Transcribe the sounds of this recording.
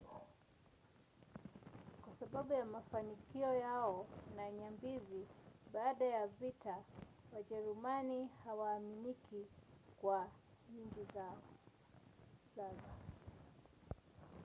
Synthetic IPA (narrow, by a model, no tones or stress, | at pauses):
kwasaɓaɓujamafanikiɔjaɔnaɲambiziɓaːɗajavita | waʄɛɾumanihawaːminikikwaɲiŋɡiz | zazɔ